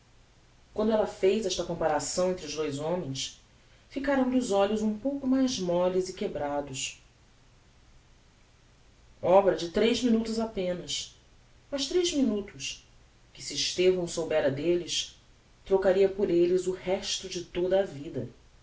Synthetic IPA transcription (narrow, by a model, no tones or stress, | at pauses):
kwɐ̃nd̪ʊɛlɐfejzɛʃt̪ɐkõmpaɾasɐ̃w̃ẽnt̪ɾɪʊzd̪ojzõmẽj̃s | fikaɾɐ̃w̃d̪ʊzɔʎʊzũpowkʊmajzmɔlɪzɪkebɾad̪ʊs | ɔbɾɐd͡ʒɪt̪ɾejzminut̪ʊzapẽnɐs | mɐʃt̪ɾejzminut̪ʊs | kɪsiɪʃt̪evɐ̃w̃sowbɛɾɐd̪elɪs | t̪ɾokaɾiɐpʊɾelɪzʊhɛʃt̪ʊd͡ʒɪt̪od̪ɐːvid̪ɐ